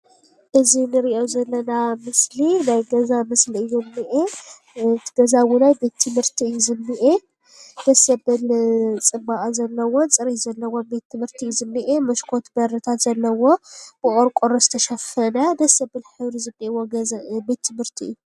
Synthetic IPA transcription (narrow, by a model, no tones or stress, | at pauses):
ʔɨzinɨɾiʔozɐlːɐnamɨslinajɡɐzamɨsliɨjumːɨʔe | t̪ʰɡ̥ɐzawunajbe̞t̪ʰːɨmhɨɾt̪ʰiɨjuzɨnːɨʔe | d̪̥ɐsɐbɨlt͡sʼɨbaʔʼzɐlːɐwo̞nt͡sʼɨɾizɐlːɐwobe̞t̪ʰːɨmɨɾt̪ʰijuzɨnːɨʔemɐʃkʰo̞t̪bɐɾɨt̪ʰat̪z̥ɐlːɐwo̞b̥ɨʔʼoɾkʼoɾɐzɨt̪ʰɐʃɐfɐnɐd̪ɐsɐbɨlħɨβɾizɨnːiwobe̞t̪ʰːɨmhɨɾt̪ʰiɨ̰jːu